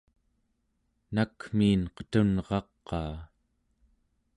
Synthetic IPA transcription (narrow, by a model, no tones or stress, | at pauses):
nakmiːnqə̥t̪unʁɑqːɑː